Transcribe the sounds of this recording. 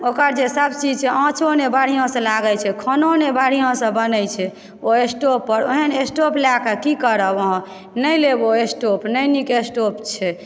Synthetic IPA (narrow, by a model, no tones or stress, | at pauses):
okəɾd͡ʒesəbt͡ʃid͡ʒt͡ʃeʔãt͡ʃonebaɽ̤ijãsə̃laɡɛt͡ʃʰɛkʰononebaɽ̤ijãsə̃bənɛjt͡ʃʰɛ | oesʈopːəɾoɦənesʈoplakəkikəɾəoɦ | nəjleboesʈopnəjnikesʈopt͡ʃʰɛ